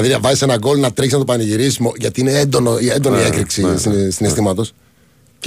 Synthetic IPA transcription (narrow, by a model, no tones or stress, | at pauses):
ðiɾɐvɐzise̞nɐɡo̞lnɐt̪ɾiçsnɐt̪opɐniʝiɾisizmoʝɐt̪iineend̪o̞noiend̪oniekɾiksisisinest̪imɐt̪o̞s | c